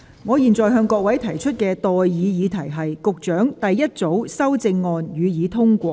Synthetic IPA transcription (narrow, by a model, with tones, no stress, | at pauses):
ŋɔː˨˧jiː˨nt͡sɔː˨jɦœː˧ŋkɔː˧k̚wɐ˨˥jt̪ʰɐ˨˩jt͡ʃʰɵ˥t̚kɛː˧t̪ɔː˨jːiː˨˧jiː˨˧t̪ʰɐ˨˩jɦɐ˨jkʊ˨k̚t͡ʃœː˨˥ŋt̪ɐ˨jːɐ˥t̚t͡so˨˥wsɐ˥wt͡sɪ˧ŋːɔː˧njyː˨˧jiː˨˧t̪ʰʊ˥ŋkʷɔː˧k̚